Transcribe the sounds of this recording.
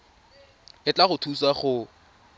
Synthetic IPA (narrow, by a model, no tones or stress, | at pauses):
ɪt͡ɬʼaχʊtʰusaχʊ